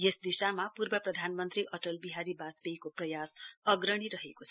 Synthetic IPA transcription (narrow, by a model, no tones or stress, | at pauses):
jesd̪isamapurbʌprʌd̪ʱanmʌnt̪ɾiʔʌʈʌlbiɦaɾibasbeikoprʌjasʌɡɾʌɽ̃iɾʌɦekot͡sʰ